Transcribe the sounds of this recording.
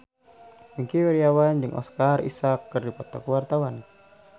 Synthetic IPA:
miŋkiwɛɾiawand͡ʒɨŋʔɔ̰skarḭsakːɨrdipɔt̪ɔkəwart̪awan

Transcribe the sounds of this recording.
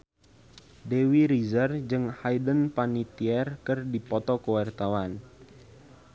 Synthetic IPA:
dewiɾizərd͡ʒɨŋhajdənpanit̪iɛrkɨrdipɔt̪ɔkəwart̪awan

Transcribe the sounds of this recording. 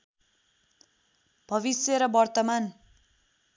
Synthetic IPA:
b̥ʱʌβisjeɾʌbʌrt̪ʌman

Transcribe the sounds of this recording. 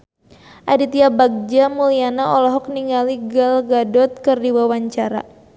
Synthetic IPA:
ʔadit̪iabaɡ̚d͡ʒamulianaʔɔlɔɦɔk̚niŋaliɡalɡadɔt̪̚kɨrdiwawaɲt͡ʃaɾa̰

